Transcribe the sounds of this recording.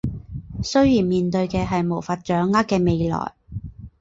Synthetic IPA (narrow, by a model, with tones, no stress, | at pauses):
sɵ˥ɥjiː˨˩nmiː˨nt̪ɵ˧ɥkɛː˧ɦɐ˨jmo˨˩wfɐ˨˧t̚t͡ʃœː˨˥ŋːaː˥kːɛː˧me˨˧jlɔ̰ː˨˩j